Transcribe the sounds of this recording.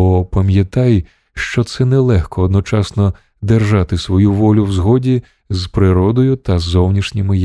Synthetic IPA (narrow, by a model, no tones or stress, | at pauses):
ɔpɐmʲjɐt̪ɑj | ʃt͡ʃɔt̪sɛnɛlˠɛxkɔːd̪nɔt͡ʃɑsnɔ | d̪erʒɑt̪ɪsʋɔjuʋɔlʲʊwzɦɔdʲi | zpɾɪɾɔd̪ɔjʊt̪ɐzɔwnʲiʃnʲɪmɪ